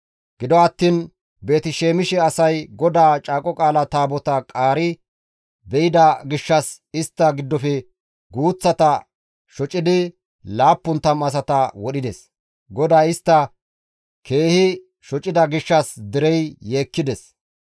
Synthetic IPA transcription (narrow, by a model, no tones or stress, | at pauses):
ɡ̥ɪd̪ɔɐt̪ːiːn | be̞ːt̪ɪʃeːmɪʃɛɐsɐjɡɔd̪aːt͡ʃʼaːkʼɔkʼaːlɐt̪aːbɔt̪ɐkʼaːɾɪ | bɛjɪd̪ɐɡɪʃːɐs | ɪst̪ːɐɡɪd̪ːɔfɛ | ɡuːt͡sːɐt̪ɐ | ʃɔt͡ʃʼɪd̪ɪ | laːpːʊnt̪ːɐmɐs̬ɐt̪ɐwɔɗɪd̪ɛs | ɡɔd̪aːɪst̪ːɐ | kʰe̞ːhɪ | ʃɔt͡ʃʼːɪd̪ɐɡɪʃːɐsd̪ɪɾɛjjeːkːɪd̪ɛs